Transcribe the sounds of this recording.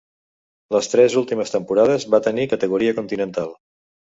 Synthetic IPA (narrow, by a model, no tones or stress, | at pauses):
ləst̪ɾɛzulˠt̪iməst̪əmpuɾað̞əzβat̪ənikət̪əɣ̞uɾiəkunt̪inənt̪alˠ